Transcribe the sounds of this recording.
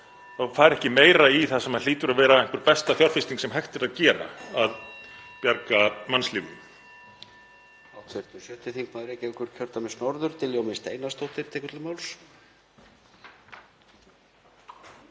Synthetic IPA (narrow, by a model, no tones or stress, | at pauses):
θafaːɾɛhcɪmeːjɾaiθasɛmaðliːt̪ʏɾaðvɛːɾaɪŋkvʏɾpɛst̪aθjɔɾ̥fɪst̪iŋksɛmɦajxt̪ɪɾaðcɛːɾa̰aðpjaɾkamanslɪːvʏ̰n | awt̪ʰvɪɾ̥t̪ʏ̥sjœːht̪ɪθiŋkmaðʏɾɛhcɪɛkʏɾ̥cʰœɾ̥t̪amɪsnɔɾðʏɾ̥t̪ʰɪljoːwmɪst̪ḛjnast̪owht̪ɪɾ̥t̪ʰɛːkʏɾt̪lʏmaːwls